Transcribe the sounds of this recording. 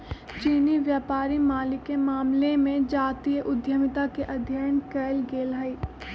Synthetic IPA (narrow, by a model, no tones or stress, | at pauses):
t͡ʃiːniʋjaːpaːɾimaːlɪkːemaːmlemẽd͡ʒaːt̪ijəʔʊd̪ʱjəmɪt̪akeʔɐd̪ʱjənkeːlɡeːlɦəi